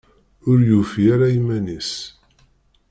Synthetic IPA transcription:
ʊɾjufiaɾajimænis

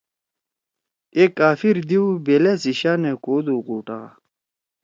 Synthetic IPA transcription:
ekːaːfiɾd̪iubelesiɕaːnekoːd̪uːquːʈa̰

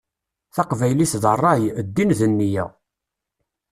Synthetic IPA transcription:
θɑqvæjliθðərˤːɑjəd̪ːinðənːijæ̰

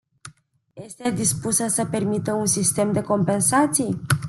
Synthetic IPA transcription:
je̞st̪e̞d̪ispusəsəpe̞rmit̪əunsist̪e̞md̪e̞ko̞mpe̞nsat̪sij

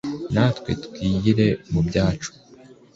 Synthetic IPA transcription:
naːtwe̞̰tkiːjiɾe̞mubjaːt͡ʃu̥

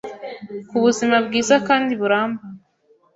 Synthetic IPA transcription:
kuβuzimabɡiːzakaːndiβuɾaːmba

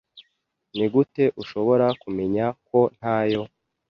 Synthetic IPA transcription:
niɡute̞ʔuʃo̞βo̞ɾakume̞ɲako̞n̥haːjo̞

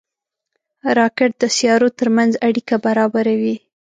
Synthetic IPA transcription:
ɾɑkɪʈ̚d̪əsjɑɾot̪əɾmanzaɽikabaɾɑbaɾawi

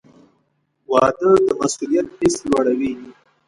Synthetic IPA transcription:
wɑːd̪əd̪əmasulijɐt̪̚piswaɽawi

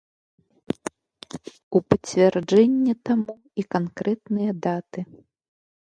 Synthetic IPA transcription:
upɐt͡sʲvʲɛrd͡ʐɛnʲːɛt̪amu | ikankɾɛt̪nɨjɐd̪at̪ɨ

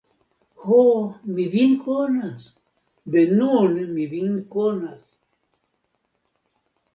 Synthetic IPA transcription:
homiβinkonas | benunɨmiβiŋkonas

